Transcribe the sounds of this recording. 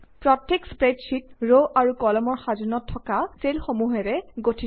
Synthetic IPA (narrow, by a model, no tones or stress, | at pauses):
pɹɔtːekspɹedsit̚ɹoʔaɹukɔlɔmɔɹxazɔnɔtʰːɔkaselxomuɦɛɹɛɡotʰi